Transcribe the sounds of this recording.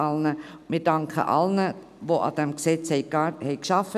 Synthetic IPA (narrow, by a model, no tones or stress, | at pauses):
ɑlnəmɪːɾd̥ɑŋkə̰ʔɑ̰lnə | voʔɑ̰d̥ɛmksɛt͡shɛɪɡɑhɛɪkʃɑfə